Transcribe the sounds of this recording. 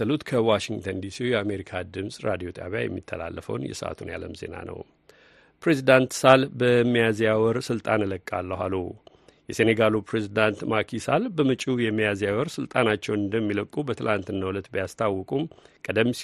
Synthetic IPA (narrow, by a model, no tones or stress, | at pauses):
əlut̪kʰəwaʃiŋɡt̪ʰənd̪isiujɛame̞ɾikʰad̪ɨmsʼɾad̪ijo̞t̪ʰaβja̰jɛ̰mːḭt̪ʰːəla̰lːəfə̰wnjɛ̰sə̰ʔa̰t̪ʰunja̰ləmze̞̰na̰nə̰w | pʰɾe̞zid̪ant̪salbəmːijazjawɔɾsɨlt̪ʼanɨləkʼːalːəɦalu | jɛse̞neɡalupɾe̞zid̪ant̪makʰisalbəmɨt͡ʃʼujɛmːijazjawɔɾsɨlt̪ʼanat͡ʃːɛwnɨnd̪əmːiləkʼːubət̪ʰɨlʔant̪ɨnːawulət̪bijast̪ʰawːɔkʼumkʼəd̪əm